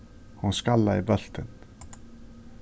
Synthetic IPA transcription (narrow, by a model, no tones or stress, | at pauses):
hunskalːaibœɬt̪ʰən